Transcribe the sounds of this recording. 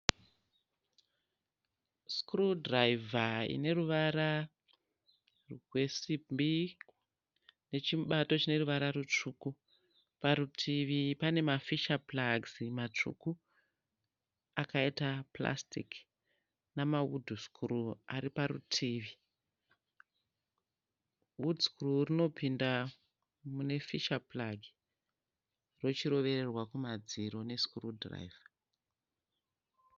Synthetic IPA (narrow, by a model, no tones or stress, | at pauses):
skrudraivʱaḭne̞ruʋara | rwe̞simbi | ne̞t͡ʃiɓato̞t͡ʃine̞ruʋaɾaɾut͡ʂuku | paɾutʰiʋipane̞mafiʃaplaɡzimat͡ʂṵku | akaitapla̰stḭk | namaudʱuskʰuruaɾipaɾṵtʰiːʋi | wuduskururino̞pinda | mune̞fiʃaplaɡʱi | ro̞t͡ʃiɾo̞ʋe̞rerwakumad͡ziɾo̞ne̞skurudra̰iva